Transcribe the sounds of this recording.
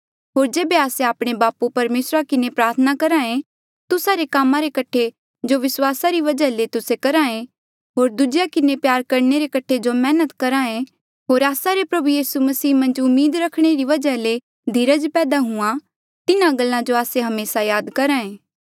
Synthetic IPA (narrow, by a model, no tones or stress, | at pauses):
ɦoːɾd͡ʒeːbeaːseaːpɽ̃ebaːpupɐɾmeːsɾakɪnepɾaːɾt̪ʰənakɐɾãẽ | t̪ʊsaɾekaːmãɾekɐʈʰe | d͡ʒoʋɪswaːsaɾiʋɐd͡ʒalet̪ʊsekɐɾãẽ | ɦoːɾd̪ʊd͡ʒɪjakɪnepjaːɾkɐɾneɾekɐʈʰed͡ʒomɛːnət̪kɐɾãẽ | ɦoːɾaːsaɾepɾɐbujiːsumɐsiːmɐ̃nd͡ʒʊmːiːd̪ɾɐkʰɽ̃eɾiʋɐd͡ʒale | d̪ʱiːɾəd͡ʒpɛːd̪aɦũã | t̪ɪnãɡəlːãd͡ʒoaːseɦɐmeːsajaːd̪kɐɾãːẽː